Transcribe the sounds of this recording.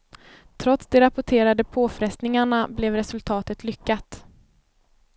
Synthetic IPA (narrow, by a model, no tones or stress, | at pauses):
t̪ʰɾɔt̪sd̪ɛɾapʊʈʰeːɾad̪əpʰoːfɾɛst̪nɪŋaɳablɛvɾɛsɵlt̪ʰɑːt̪ət̪ʰlʏkːat̪